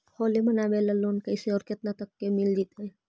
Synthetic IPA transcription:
hoːlimɐnabelɐloːnkɐjseɔːɾkɪt̪nat̪ɐkːemɪld͡ʒit̪e

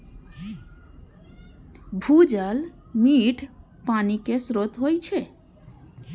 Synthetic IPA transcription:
bʱud͡ʑal | miʈ | panikesɾot̪ɦojt͡ɕʰe

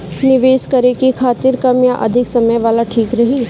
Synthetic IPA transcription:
nɪʋeːskɐɾekikʰaːt̪ɪɾkɐmjaʔɐ̰d̪ʱɪksɐməjʋaːlaʈʰiːkɾɐɦiː

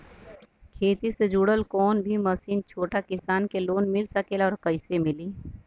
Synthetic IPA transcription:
kʰeːt̪ised͡ʒuːɽəlkɔːnbʱimɐsiːnt͡ʃʰoːʈakɪsaːnkeloːnmɪlsɐkeːlɔːɾkɐɪsemɪliː

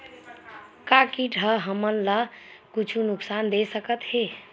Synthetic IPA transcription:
kakiʈəɦəmənləkut͡ʃʰunuksand̪esəkət̪he

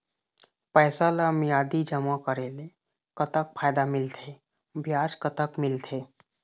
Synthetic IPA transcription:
pəːsaləmjaːd̪id͡ʒəmakəɾeːle | kət̪ək̚pʰaːjd̪amɪlt̪ʰe | bjaːd͡ʒkət̪əkmɪlt̪ʰeː

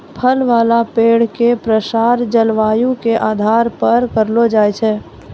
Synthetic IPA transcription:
pʰəlʋaːlapeːɽ̤kepɾəsaːɾd͡ʒəlʋaːjũkeʔaːd̪ʱaːɾpəɾkəɾlod͡ʒaːjt͡ʃʰɛː

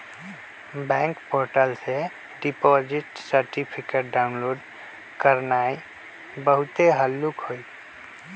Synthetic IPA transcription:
bɛ̃ːŋkpoːɾʈəlse | ɖipɔzɪʈsəɾʈipʰikeʈ̚ɖaʊnloːɖ | kəɾnaːi | bəɦʊt̪eɦəlːukɦoi

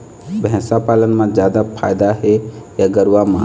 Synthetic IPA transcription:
bɦɛ̃sapaːlənmãd͡ʒjaːd̪apʰa̰ːjd̪aɦejaɡəɾwamã

